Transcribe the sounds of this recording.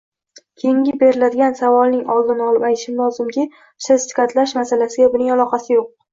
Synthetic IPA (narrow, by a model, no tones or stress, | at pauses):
kʲʰejɪŋɡʲɪbe̞ɾɪlad̪ɪɡʲansavɒlˠnɪŋɒlˠd̪ɪnɒlˠɪpajt̪ʰɪʃɪmlɒzɪmkʲɪ | ʃast̪ɪ̥kʰat̪laʃmasalasɪɡʲabʊnɪŋalˠɒqʰɑsɪjoq̚